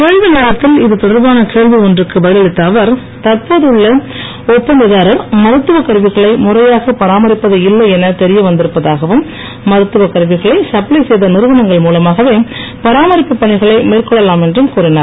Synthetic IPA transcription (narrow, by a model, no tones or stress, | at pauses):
keːɻʋɪnɐːɭɐt̪ːɪlɪðɯt̪ɔɽɐɾbaːnɐkeːɭʋiɔndrɯkːɯʋɐɻɪlɪt̪ːɐʋɐɾ | t̪ɐɾpoːðɯɭːɐ | ɔpːɐnd̪ɪðaːɾɐɾmɐɾɯt̪ːɯʋɐkɐɾʋɪɣɐɭɐɪmʊrɐjaːɣɐpɐɾaːmɐɾɪpːɐðɐɪlːɐɛnɐt̪ɛɾɪjɐʋɐnd̪ɪɾɯpːɐðaːɣɐʋɯmː | ɐɾɯt̪ːɯʋɐkɐɾʋɪɣɐɭɐɪsɐplɐɪsɛjðɐnɪɾɯʋɐnɐŋɡɐɭmuːlɐmaːɣɐʋeːpɐɾaːmɐɾɪpːɯpːɐɳɪɣɐɭɐɪmeːrkɔɭːɐlaːmɛndrɯmkuːɾɪnɐɾ